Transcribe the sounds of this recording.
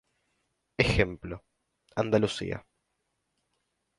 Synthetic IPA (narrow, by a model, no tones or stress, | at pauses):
exemplo | and̪alusḭa̰